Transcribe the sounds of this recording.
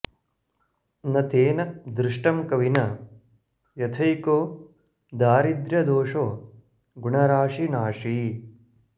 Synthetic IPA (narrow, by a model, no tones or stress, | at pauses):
nɐt̪eːnɐd̪ɾɪʂʈɐmkɐʋinɐ | jɐt̪ʰɐjkoː | d̪aːɾid̪ɾjɐd̪oːʂoː | ɡuɳɐɾaːʂinaːʂi